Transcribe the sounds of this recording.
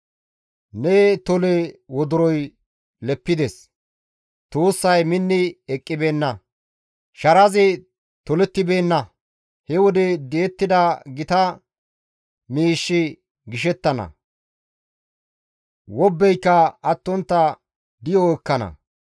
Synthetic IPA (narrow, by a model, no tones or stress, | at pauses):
net̪ɔlɛwɔd̪ʊɾɔj | lɛpːɪd̪ɛs | t̪oːsːɐjmɪnːɪɛkʼːɪbe̞ːnːɐ | ʃɐɾɐzɪ | t̪ɔlɛt̪ːɪbeːnːɐ | hɛwɔd̪ɛd̪ɛɛt̪ːɪd̪ɐɡɪt̪ɐ | miːʃːɪ | ɡɪʃɛt̪ːɐnɐ̰ | wɔbːɛjkːɐɐt̪ːɔnt̪ːɐ | d̪ɪjɔɛkːɐnɐ̰